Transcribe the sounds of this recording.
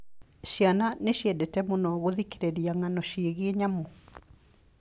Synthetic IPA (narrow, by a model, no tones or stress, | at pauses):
ɕjananeɕjɛdɛtɛmonɔɣoðikeɾeɾiaŋanɔɕeɣeeɲamo